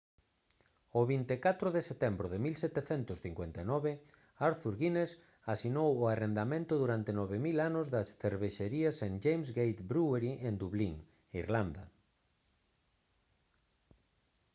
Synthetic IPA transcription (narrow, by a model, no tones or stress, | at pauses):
ʊβint̪ekat̪ɾʊðeset̪ɛmbɾʊðemilsɛt̪eθɛnt̪ʊsθiŋkwent̪anɔβe | aɾθuɾɣines | asinowʊarend̪amẽnt̪ʊðuɾant̪enɔβemilanʊzðɐsθeɾβeʃeɾiaseŋd͡ʒejmzɣejt̪bɾueɾiʔend̪uβliŋ | iɾland̪ɐ